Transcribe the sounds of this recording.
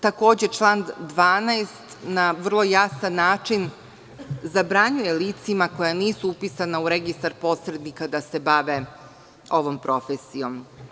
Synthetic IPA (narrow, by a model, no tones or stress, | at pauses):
t̪ako̞ːd͡ʑet͡ʃlˠand̪ʋaːnaest̪naʋr̩lˠo̞jasanːaːt͡ʂin | zabɾaɲuje̞liːt̪simako̞janiːsuupisanauɾeɡist̪aɾpo̞ːsɾe̞d̪nikad̪ase̞baʋe | o̞ʋo̞mpɾo̞fesijo̞m